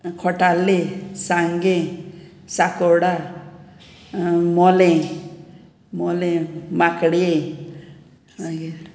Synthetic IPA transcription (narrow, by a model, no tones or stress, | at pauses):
kʰɔʈalesãŋɡẽ | sakɔɽa | mɔlẽ | mɔlẽmakɽijẽ | aɡe